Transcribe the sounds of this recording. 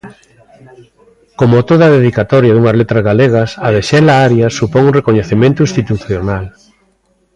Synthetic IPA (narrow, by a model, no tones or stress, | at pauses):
komot̪oðɐaðeðikat̪ɔɾjɐðuŋɐzlet̪ɾɐzɣaleɣ̞ɐsɐðeʃɛlaaɾjasupɔŋuŋrekoɲeθemẽnt̪ʊĩst̪it̪uθjonal